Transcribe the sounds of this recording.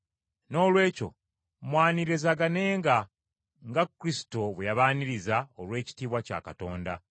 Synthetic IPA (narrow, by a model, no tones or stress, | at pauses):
no̞ːlwe̞ːco̞̰ | mwaːniɾe̞zaɡane̞ːŋɡa | ŋɡakːɾisi̥to̞βejaβaːniɾizaolwe̞ːci̥tiːβwaca̰ːkato̞ːnda̰